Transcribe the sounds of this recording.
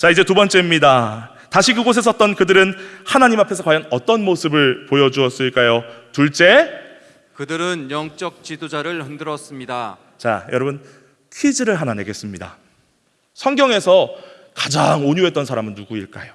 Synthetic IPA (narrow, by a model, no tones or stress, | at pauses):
t͡ɕaid͡ʑe̞tubʌnt͡ɕ͈e̞imɲida | taɕʰikɯɡos̬ʰe̞s̬͈ʰʌt͈̚ʌnkɯdɯɾɯnhanaɲimapʰe̞sʰʌkwajʌnʌt͈ʌnmosʰɯbɯɭpojʌd͡ʑuʌs͈ɯɭk͈ajotuɭt͡ɕ͈e̞ | kɯdɯɾɯnjʌŋt͡ɕ͈ʌk̚t͡ɕidod͡ʑaɾɯɭhɯndɯɾʌs͈ɯmɲida | t͡ɕa̰jʌɾʌbɯn | tʰid͡ʑɯɾɯɭɦanane̞ɡe̞s͈ɯmɲida̰ | sʰʌŋɡjʌŋe̞sʰʌ | kḁd͡ʑaŋoɲuɦe̞t͈ʌnsʰaɾamɯnːuɡuiɭk͈a̰jo